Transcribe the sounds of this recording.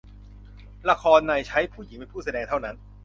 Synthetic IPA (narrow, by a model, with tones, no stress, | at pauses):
la˧kʰɔː˧nːa˧jt͡ɕʰa˦˥jpʰuː˥˩ji˨˩˦ŋpe˧npʰuː˥˩sa˧dɛː˧ŋt̪ʰa˥˩wna˦˥n